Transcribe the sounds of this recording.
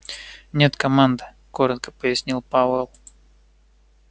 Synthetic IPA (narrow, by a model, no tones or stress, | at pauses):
nʲe̞t̪kɐmand̪ɨ | koɾət̪̚kə̥pəjɪsʲnʲilˠpavelˠ